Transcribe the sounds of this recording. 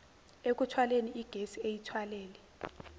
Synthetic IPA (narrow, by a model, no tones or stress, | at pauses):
ek̬ʼutʰwaleniʔiɡ̥ʱesiejitʰwaleːlɛ